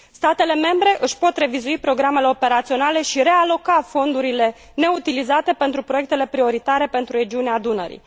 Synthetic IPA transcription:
st̪at̪e̞le̞me̞mbɾe̞ʔɨʃpo̞t̪re̞vizuipɾo̞ɡɾame̞le̞o̞pe̞ɾat̪sio̞nale̞ʃiɾe̞alo̞kafo̞nd̪uɾile̞ | ne̞ut̪ilizat̪e̞pe̞nt̪ɾupɾo̞je̞k̚t̪e̞le̞pɾio̞ɾit̪aɾe̞pe̞nt̪ɾuɾe̞d͡ʒiunead̪unə̰ɾḭ

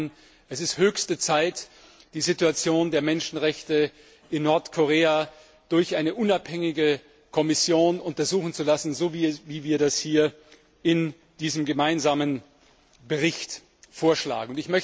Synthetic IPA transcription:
n | ʔɛsɪsthøːçstət͡saɪt | d̥iːzituat͡sjoːndeːɐmɛnʃn̩ʁɛçtə | ʔɪnːɔɐtkʰoʁ̞eːa | d̥ʊɐçʔaɪnəʔʊnaphɛŋɪɡə | kʰɔmɪsjoːnʊntɐzuːxn̩t͡sulasn̩zoːviviːviːɐdashiːɐ | ɪn | d̥iːzəmɡəmaɪnzaːmən | bəʁɪçt | foːɐʃla̰ːɡŋ̩ʊntɪçmœç

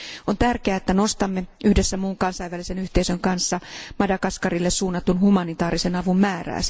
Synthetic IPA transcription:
ont̪ærkeæːet̪ːæno̞st̪ɑmːeʔyhdesːæmuːŋkɑnsɑiʋælise̞nyht̪e̞isøŋkɑnsːɑmɑdɑkɑskɑrilːessuːnːɑt̪unhumɑnit̪ɑːɾise̞nɑʋumːæːræ̰ːs

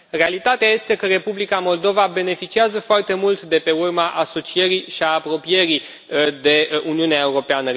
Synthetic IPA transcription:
re̞alit̪at̪eaje̞st̪e̞kəɾe̞publikamo̞ld̪o̞vabe̞ne̞fit͡ʃiazəfoart̪e̞mult̪d̪e̞pe̞urmaʔaso̞t͡ʃie̞ɾiʃiaːpɾo̞pije̞ɾi | d̪e̞uniuneae̞uɾo̞peanə

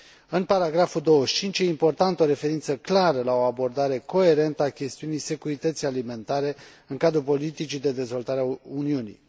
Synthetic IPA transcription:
ɨnpaɾaɡɾafud̪o̞wəʃt͡ʃint͡ʃjeimpo̞rt̪ant̪əo̞ɾe̞fe̞ɾint̪səklaɾəlao̞abo̞rd̪aɾe̞ko̞e̞ɾe̞nt̪əakʲe̞st̪iunijse̞kuɾit̪ət̪sijalime̞nt̪aɾe̞ | ɨŋkad̪ɾupo̞lit̪it͡ʃid̪e̞d̪e̞zvo̞lt̪aɾeauniunḭj

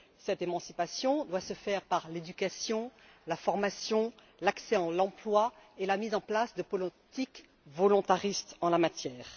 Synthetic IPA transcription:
sɛt̪emɑ̃si̥pasjɔ̃d̪wasəfɛʁpaʁled̪ykʲasjɔ̃lafɔʁmasjɔ̃ | laksɛɑ̃lɑ̃plwaelamizɑ̃plasd̪əpɔlt̪ik | vɔlɔ̃t̪aʁist̪ɑ̃lamat̪jɛːʁ

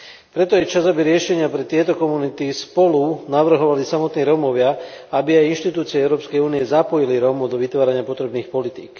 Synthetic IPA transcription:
pɾɛt̪ɔjɛt͡ʃazabiɾɪɛʃɛɲɪapɾɛt̪ɪɛt̪ɔkɔmunit̪ispɔlunaʋr̩ɦɔʋalisamɔt̪niːɾɔmɔʋɪaabiajinʃt̪it̪uːt͡siɛɛʊɾɔːpskɛjuːniɛzapɔjiliɾɔmud̪ɔʋit̪ʋaːɾaɲɪapɔt̪ɾɛbniːxpɔlit̪ḭːk

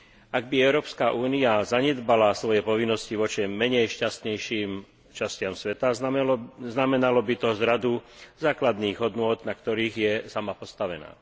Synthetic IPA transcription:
aɡ̚biɛʊɾɔːpskaʔuːniazaɲɛd̪balasʋɔjɛpɔʋinːɔsciʋɔt͡ʃɛmːɛɲɛjʃcast̪ɲɛjʃiːm | t͡ʃascɪamsʋɛt̪a | znamɛnalɔbit̪ɔzɾad̪uzaːklad̪niːɣɦɔd̪nʊɔːd̪nakt̪ɔɾiːɣjɛsamapɔst̪aʋɛna̰ː

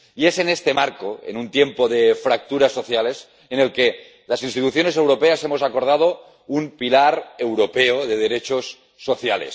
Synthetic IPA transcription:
ie̞se̞ne̞st̪e̞maɾkoḛnunt̪je̞mpoðefɾak̚t̪uɾasːo̞θjale̞s | ene̞lke̞ | lasinst̪it̪uθjo̞ne̞s̬e̞wɾo̞pease̞mosako̞ɾð̞að̞o | umpilaɾe̞wɾo̞peoðe̞ð̞eɾe̞t͡ʃosː | o̞θjalḛs

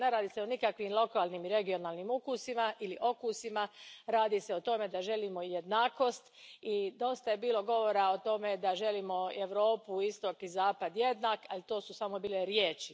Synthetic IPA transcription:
ne̞ɾaːd̪iseonikakʋimlˠo̞kaːlˠnimiɾe̞ɡio̞naːlnimukusimaʔiliʔo̞kusimaɾaːd̪iseot̪o̞me̞d̪aʒe̞limo̞je̞d̪naːko̞st̪id̪o̞st̪aje̞biːlˠo̞ɡo̞ʋo̞ɾaot̪o̞me̞d̪aʒe̞limo̞eʋɾo̞ːpuist̪o̞kizaːpad̪je̞d̪naːkalit̪o̞ːsusamo̞biːle̞ɾjeːt͡ʃi

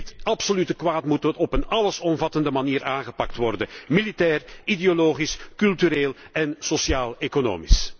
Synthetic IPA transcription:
tɑpsolytəkʋaːtmutɔtɔpənɑləsɔmvɑtəndəmaniːɾaːnɣəpɑk̚tʋɔrdəmilitɛːrideoloːχiskɵlˠtyɾeːlˠ | ɛnsosjaːlˠekono̰ːmis

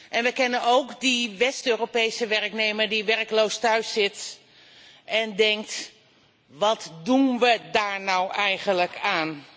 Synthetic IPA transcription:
ʔɛnʋəkɛnənowkdiʋɛstøːropejsəʋɛrknejməɹdiʋɛrklowstœɥsːɪt | ʔɛndɛŋk̚t | ʋɑtdunʋədaːɹnɔwʔɛjχənləkʰaːn

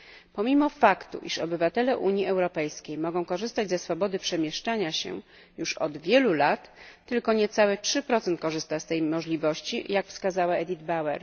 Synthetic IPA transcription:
pɔmʲimɔfakt̪ṵʔḭʂɔbɘvat̪ɛlɛʔuɲiɛwɾɔpɛjskʲejmɔɡɔ̃w̃kɔʐɘst̪ad͡ʑzɛsfɔbɔd̪ɘpʂɛmʲjɛʂt͡ʂaɲaɕɛ̰ | juʂɔ̰d̪vʲjɛlulat̪ːɘlkɔɲɛt̪sawɛtʂɘpɾɔt̪sɛnt̪̚kɔʐɘst̪ast̪ɛjmɔʐlʲivɔɕt͡ɕḭjakfskazawaɛd̪ʲid̪bawɛ̰ɾ

